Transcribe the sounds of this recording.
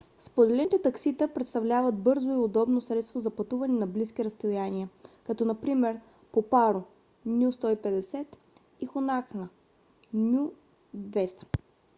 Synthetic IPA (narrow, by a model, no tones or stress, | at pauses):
spod̪ɛlɛt̪ɛt̪ɐksit̪əpɾɛt̪st̪ɐvlʲavət̪̚bɤɾzoiod̪ɔbnosɾɛt̪st̪vozɐpɐt̪uvɐnɛnɐblisk̟iɾɐst̪ojaniəkɐt̪ɔnɐpɾimɛɾ | popaɾo | nʲjust̪ɔipɛd̪ɛsɛt̪ | ixonaxnə | nʲju | d̪vɛst̪ə̥